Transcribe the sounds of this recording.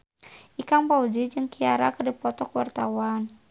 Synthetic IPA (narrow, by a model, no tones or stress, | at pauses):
ʔikaŋpaud͡ʒid͡ʒɨŋkiaɾa̰kərdipɔt̪ɔkəwart̪awan